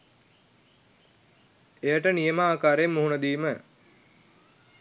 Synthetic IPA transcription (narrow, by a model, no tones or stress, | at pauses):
ejəʈənijeməaːkaːɾemːuɦunəd̪iːmə